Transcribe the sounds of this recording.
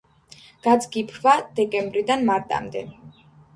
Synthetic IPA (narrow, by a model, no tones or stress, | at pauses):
ɡ̥ad̪zɡipʰvad̪̥ɛkʼɛmbɾid̪anmaɾt̪ʼa̰md̪ɛ̰